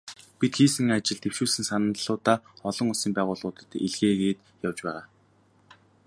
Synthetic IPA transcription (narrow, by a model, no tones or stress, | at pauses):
pit̪xiːsɘ̆ŋat͡ɕɪ̆ɮt̪ʰew̥ʃuːsɘ̆ŋsanə̆nɮʊːt̪aːɔɮɞ̆ŋʊsiːmpæːʁʊːɮʁʊːt̪ə̆t̪ḛɮɣeːɣeːt̪ | jawt͡ɕpæ̰ːʁaː